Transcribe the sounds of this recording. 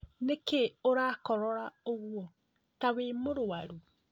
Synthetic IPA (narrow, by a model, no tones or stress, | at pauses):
nekeoɾakɔɾɔɾaoɣwɔ | tawemoɾowaɾu